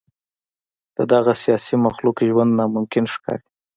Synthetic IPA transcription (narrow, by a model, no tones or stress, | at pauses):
d̪̥əd̪aɣasijɑsimaxlukʒwand̪nɑmʊmkɪnʂkɑ̰ɾi